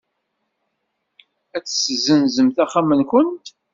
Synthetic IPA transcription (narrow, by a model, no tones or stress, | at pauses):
æt͡sːsəzənzəmθæχamənkʷənt̪